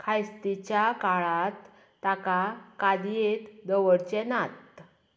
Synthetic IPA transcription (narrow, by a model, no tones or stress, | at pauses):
kʰajst̪it͡ɕjakaɭat̪ː | akakad̪ijet̪d̪əʋəɽt͡ɕɛnat̪